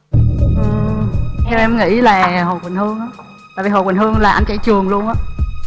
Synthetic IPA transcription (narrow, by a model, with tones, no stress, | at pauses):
ʔɨ˨˩tɛ˧wʔɛ˧mŋḭ˧˥laː˨˩ho˨˩jkwn̟hɨ˧əŋʔaː˨˦ | t̪aː˧˨jvi˨˩ho˨˩kwnhɨ˧əŋlaː˨˩ʔa˧jŋt͡ɕa̰˧˩˦jt͡ɕɨ˨˩əŋlu˧ənʔaː˨˦˥